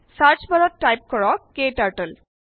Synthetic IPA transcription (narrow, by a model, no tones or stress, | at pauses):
saɹt͡ʃbalɔtːajp̚kɔɹɔkːeʈaɹʈəl